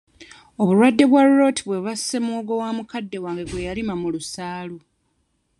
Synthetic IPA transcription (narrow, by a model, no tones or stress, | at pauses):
o̞βulwadːe̞βwaɾuɾo̞tʰiβwe̞βasːe̞moːɡo̞waːmukadːe̞waːŋɡeɡwe̞jalimamulusaːlu